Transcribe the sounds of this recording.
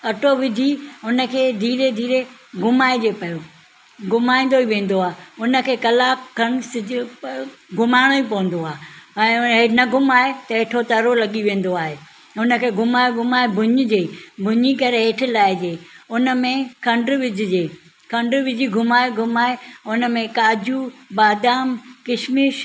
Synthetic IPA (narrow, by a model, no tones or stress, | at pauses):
ɐʈʰoʋɪd̪ʱiʊnə̆kʰeːd̪ʱiːɾed̪ʱiːɾeɡʱʊmaːed͡ʑeːpɐjo | ɡʱʊmaːĩnd̪oiʋẽːn̆d̪oaːɦʊnə̆kʰeːkɐlaːkɐns | ɡʱʊmaːɪɽ̃oipɐʋə̃n̆d̪oaːɛ̃ːɦenɐɡʱʊmaːet̪ɐɦeːʈʰot̪ɐɾolɐɠiʋẽːn̆d̪oaːɦeː | ʊnə̆kʰeːɡʱʊmaːeɡʱʊmaːebʱʊɲʊ̆d͡ʑeːbʱʊɲikɐɾeɦeʈʰɪlaːɪd͡ʑeːʊnə̆mẽkʰɐ̃ɳɖʋɪd͡ʑʱɪd͡ʑeː | kʰɐ̃ɳɖʋɪd͡ʑʱiɡʱʊmaːeɡʱʊmaːeʊnə̆mẽkaːd͡ʑubaːd̪aːmkɪʃmiʃ